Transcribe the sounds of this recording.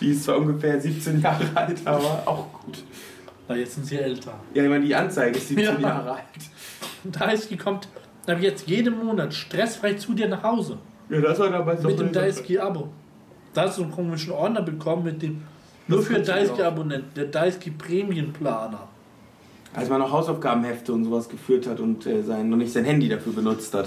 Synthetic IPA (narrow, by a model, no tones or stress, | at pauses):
d̥iɪstt͡sv̥aːʔʊnɡəfeːɐziːp̚t͡senjaːʁəʔaltʔaːbɐa̰ʊxɡ̥uːt | ajɛt͡stz̥ɪntz̥iʔɛltʰɐjaːɪçmaɪnədiːʔant͡saɪɡəɪstz̥iːjenjaːʁəaltd̥aɪskikʰɔmt | ʔaːbɐjɛt͡stjeːdəmːoːnatʃtʁ̥ɛsfʁaɪçt͡suːdiːɐnaχhaʊzə | jaːdaɪsadabaɪmmɪtd̥eːmdaɪskiʔabo | d̥aːhastd̥ukʰɔmɪʃnnʔɔɐdnɐbəkʰɔmənmɪt̚d̥eːm | nuːɐfyddaɪskiabonɛntn̩d̥eːɐdaɪskipʁ̥ɛːmiənpʰlaːnɐ | ʔa̰lsmanːɔχhaʊsaʊfɡ̥aːbm̩hɛftəʊntz̥oːvasɡ̥əfyːɐthatʊntʔɛːzaɪnːɔχnɪçtz̥aɪnhɛndidafyːɐbənʊt͡sthat